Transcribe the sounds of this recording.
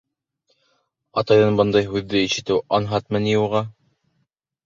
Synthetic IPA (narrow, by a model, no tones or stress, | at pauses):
ɑt̪ɑjðɤnbɤnd̪ɑjɦʉðːɘiʃɘ̆t̪ɘwɑnɦɑt̪mɘ̆nijuʁɑ